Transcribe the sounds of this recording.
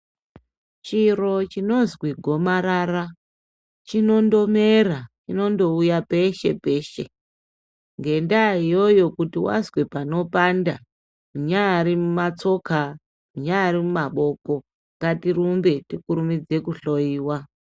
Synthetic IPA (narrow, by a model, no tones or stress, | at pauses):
t͡ʃiro̞t͡ʃino̞zwiɡʱo̞maɾara | t͡ʃino̞ndo̞merat͡ʃino̞ndo̞ujape̞ʃe̞̰pe̞ːʃe̞̰ | ŋɡe̞ndaijo̞jo̞kutiwa̰zwe̞pano̞panda | muɲaːɾimumat͡so̞ka | muɲaɾimumaɓo̞ko̞ | ŋkatirumbe̞tikuɾumid͡ze̞kuɬo̞iːwa